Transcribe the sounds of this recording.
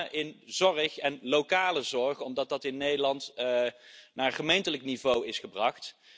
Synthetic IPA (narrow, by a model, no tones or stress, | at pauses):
ʔɪnzɔrəχɛnlowkaːləzɔɹχɔmdɑt̚dɑtɪnːejdəlɑnt | naːɹχəmejntələknivowɪsχəbrɑχt